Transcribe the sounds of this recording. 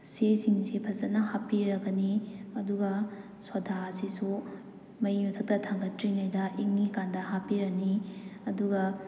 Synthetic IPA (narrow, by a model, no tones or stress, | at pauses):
sesiŋsipʰɐzɐt̚nɐhapiɾɐɡɐniɐduɡɐ | swɐdʱaɐsisu | mɐjjutʰɐk̚tɐtʰaŋɡɐtɾiŋajdɐʔiŋːikandɐɦapiɾɐkniɐduɡɐ